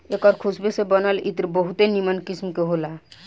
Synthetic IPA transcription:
ekɔɾkʰusbesebənəlḭt̪ɾbəɦut̪enimənkismkeɦola

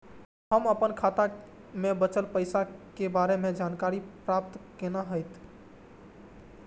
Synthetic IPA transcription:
həməpənkʰat̪amebət͡ʃəlpəjsakebaɾemed͡ʒankaɾipɾap̚t̪kenaɦəjt̪ʰ

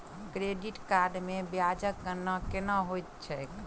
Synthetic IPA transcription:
kɾeɖiʈkaɾɖmebjad͡ʒək̚ɡənəkenəɦojt̪t͡ʃʰɛk

